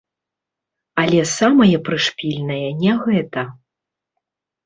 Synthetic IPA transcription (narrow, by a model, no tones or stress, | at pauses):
ɐlʲɛsamɐjɐpɾɨʂpʲilʲnɐjɐnʲɛɣɛt̪ɐ